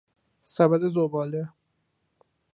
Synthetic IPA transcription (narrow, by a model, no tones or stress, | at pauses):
sæbæd̪ezobɒːle